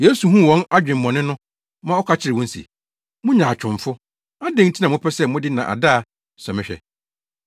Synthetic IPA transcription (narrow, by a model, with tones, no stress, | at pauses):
je˦su˨ɦũ˦˨wɔ̃˦na˦d͡ʑᶣɪ̃˨m̩˨mɔ̃˨nɪ̃˦nʊ̃˦ | mã˦ɔ˦kʰa˦t͡ɕʰɪ˦ɾɪ˨wɔ̃˦n̩˦sḭ˨ | mʊ̃˦ɲãː˨t͡ɕᶣʰʊ̃˨ɱ˨fʊ˦ | a˦dɪ̃˦n̩˦tʰi˦nã˨m˦ʊ̃˦pʰɛ˦sɛ˦mʊ̃˦dɪ˦nã˨ʔa̰˨da˦˨ | sɔ˨mɪ̃˦ɕᶣɛ̰˨